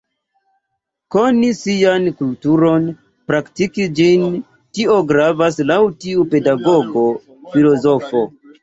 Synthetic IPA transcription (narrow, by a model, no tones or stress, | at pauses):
ko̞nisiankultuɾo̞n | pɾaktikid͡ʒin | tio̞ɡɾavaslawtiupe̞daɡo̞ɡo̞ | filo̞zo̞fo̞